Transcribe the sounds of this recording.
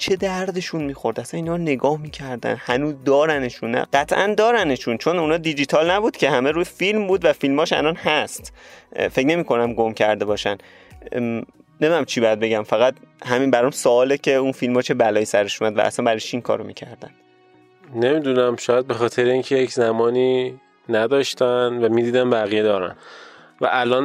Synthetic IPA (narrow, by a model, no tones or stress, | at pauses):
t͡ʃʰe̞d̪æɾd̪e̞ʃunmiːxo̞ɾd̪æsæniːnhɒːɾne̞ɡɒːhmiːcʰæɾd̪æ̰nhænuːzd̪ɒːɾæneʃunːæ̰ɢ̥æt̪ʰʔænd̪ɒːɾæneʃunt͡ʃʰo̞nunɒːd̪id͡ʒit̪ʰɒlnæbuːd̪cʰe̞hæme̞ɾuːjefilmbuːd̪væfilmɒːʃæ̰lɒnhæst̪fe̞cne̞miːkʰo̞næmɡomcʰæɾd̪e̞bɒːʃæn | nemid̪unæmt͡ʃʰibɒjæd̪be̞ɟæmfæɣæt̪hæminbæɾɔmsoɒːlecʰe̞unfilmhɒːt͡ʃʰebælɒːjiːsæɾe̞ʃuːmæd̪væ̰ʔːsænbæɾɒjt͡ʃʰiiŋkʰɒ̰ːɾomḭcʰæɾd̪æn | nemid̪unæmʃɒːjæd̪̚be̞xɒːt̪ʰeɾeiːŋcʰejecʰzæmɒːniː | næd̪ɒːʃt̪ænvæmiːd̪iːd̪ænbæɣijed̪ɒːɾæ̰n | væ̰ʔælɒːn